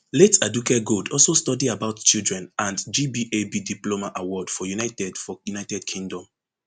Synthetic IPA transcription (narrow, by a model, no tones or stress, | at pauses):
letadukɛɡodɔlsostɔdiabaʊtt͡ʃildɹɛ̃nãndd͡ʒibiʔebidiplomaʔawɔd̥fɔjunaɪtɛdfɔjunaɪtɛdkʰĩŋdɔ̃m